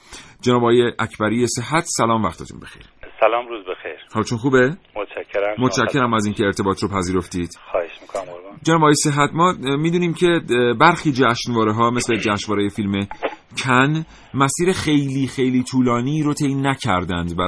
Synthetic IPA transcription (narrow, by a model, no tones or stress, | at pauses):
d͡ʒenɒːbɒːjeʔæcʰbæɾijese̞ɦæt̪ʰsælɒːmvæxt̪ʰet̪ʰṵnbexejɾsælɒːmɾuzbexḛjɾhɒːlt͡ʃʰonxuːbemot̪t͡ʃʰækʰːeɾæmot̪ʃæcʰːe̞ɾæmæziːncʲʰe̞eɾt̪ʰe̞bɒːt̪ɾopʰæziːɾo̞ft̪iːd̪̥xɒheʃmikod͡ʒenɒːbːjeseɦæt̪mɒːmiːd̪uːniːmcʰe̞bæɾxiːd͡ʒæːʃnvɒːɾeɦɒːmesled͡ʒæːʃnvɒːɾejefilme̞ | cʰæn | mæsiːɾexe̞jliːxejliːt̪ʰuːlɒːniːɾot̪ʰe̞jnæcʰæɾd̪ænd̪væ